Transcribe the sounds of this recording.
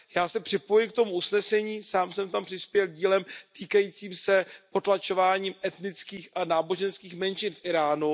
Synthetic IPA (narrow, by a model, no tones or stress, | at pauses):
jaːsɛpr̝̥ɪpo̞jɪk̚t̪o̞muʔusnɛsɛɲiːsaːmsɛmt̪ampr̥ɪspjɛlɟiːlɛmt̪iːkajiːt͡siːmsɛpo̞t̪lat͡ʃo̞vaːɲiːmʔɛt̪nɪt͡skiːxʔanaːbo̞ʒɛnskiːxmɛnt͡ʃɪnfʔɪɾaːnu